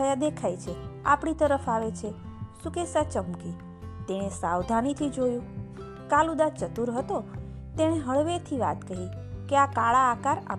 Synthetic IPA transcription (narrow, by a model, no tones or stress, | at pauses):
əjad̪ekʰajt͡ʃʰea̰pɽit̪əɾəfaʋet͡ʃʰe | sukesat͡ʃəmki | t̪eɽ̃esawd̪ʱanit̪ʰid͡ʒojũ | kalũd̪at͡ʃət̪uɾɦət̪o | t̪eɽ̃eɦəɭʋet̪ʰiʋa̰t̪kəɦi | keakaɭaːkaɾa̰